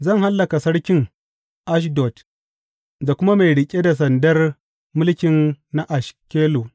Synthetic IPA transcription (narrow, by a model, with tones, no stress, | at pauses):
zɐ˦˨ŋha˦lːɐ˨ka˨sɐ˦ɽkʲɪ˦ŋ | ʔa˦ʃ̬dɔ˨t | da˨kʷʊ˦ma˦ma˨jɽɪ˨kʲʼe˦da˨s̬ɐ˨ndɐ˦r | mʊ˦lkʲɪ˨nːa˦ʔa˨ʃkʲeː˦loː˨